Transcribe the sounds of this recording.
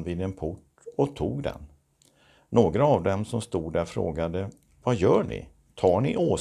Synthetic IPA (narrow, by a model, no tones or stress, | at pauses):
viːd̪ɛnpʰʊʈ | ɔt̪ʰuːɡd̪ɛ̰n | noːɡɾaːvd̪ɛmsɔmst̪uːd̪d̪æɾfɾo̰ːɡad̪ə | vajœːɳɪ̰ | t̪ʰɑːɳɪʔoː